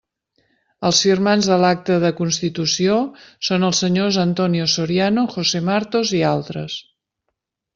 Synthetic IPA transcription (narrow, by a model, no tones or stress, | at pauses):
əlˠsfirmanzðəlak̚t̪əðəkunst̪it̪usiosonəlˠsːəɲozənt̪ɔniosoɾianoxosemaɾt̪ozialˠt̪ɾə̰s